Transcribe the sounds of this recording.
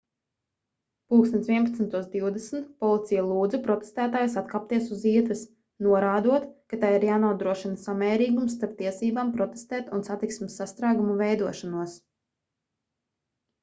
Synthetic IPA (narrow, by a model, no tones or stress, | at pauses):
puːkst̪ɛnʲt̪viɛnp̬at̪snt̪uɔsd̪iwd̪ɛsn̩t̪pɔlˠit̪sijalˠuːd̪zupɾɔt̪e̥st̪æːt̪aːjusat̪kaːp̚t̪iɛsuziɛt̪ɛs | nuɔɾaːd̪uɔt̪kat̪ajiɾjaːnuɔd̪ɾuɔʃinasamɛːɾiːɡumsːt̪aɾp̚t̪iɛsiːbaːmpɾɔt̪e̥st̪ɛːt̪unsat̪iksmisːast̪ɾaːɡumuvɛjd̪uɔʃanuɔs